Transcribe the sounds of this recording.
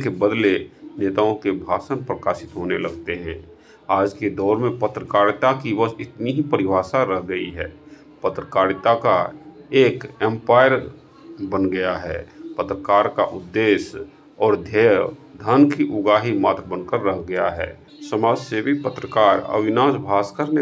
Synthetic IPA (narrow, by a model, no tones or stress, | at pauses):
kebəd̪leneːt̪aõkebʱa̰ːʃənpɾəkaːʃɪt̪ɦoːnelɐɡt̪eɦɛ̃ː | aːd͡ʒked̪ɔːɾmẽpət̪ɾəkaːɾt̪akiʋəɪt̪niɦipəɾɪbʱaːsaɾəɦɡəiɦɛː | pət̪ɾəkaːɾt̪akaeːkɛ̃mpaːɪəɾ | bənɡɐjaɦɛːpət̪ɾəkaːɾkaʔʊd̪ːeːʃ | ɔːɾd̪ʱeːd̪ʱənkiʔʊɡaːɦimaːt̪ɾəbənkəɾːəɦɡɐjaɦɛ̰ː | səmaːd͡ʒsebʱipət̪ɾəkaːɾə̰ʋɪnaːsbʱaːskəɾne